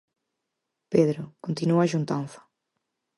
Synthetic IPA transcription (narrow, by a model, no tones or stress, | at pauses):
peðɾʊkont̪inuɐʒunt̪ãnfɐ̥